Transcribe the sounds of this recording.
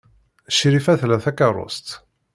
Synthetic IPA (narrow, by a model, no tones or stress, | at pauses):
ʃɾifæθlæθækɑɾˤo̰st̪